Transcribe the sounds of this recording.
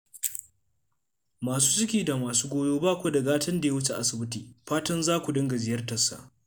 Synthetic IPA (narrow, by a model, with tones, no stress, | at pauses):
maː˨s̬uː˦sʊ˦kʲiː˨da˨maː˨suː˦ɡʷoː˦joː˦baː˦kʷo˦da˨ɡaː˦tɐ˦nda˨je˦wʊ˦t͡ʃe˨ʔa˨sɪ˨bɪ˦tiː˨ɸaː˦tɐ˦nzaː˦kʷu˨dɐ˦ŋɡa˨zɪ˨jɐ˦rtɐ˨sːa̰˨